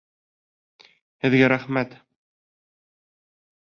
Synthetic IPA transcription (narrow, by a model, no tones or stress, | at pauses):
hɘ̆ðɡæɾæχmæt̪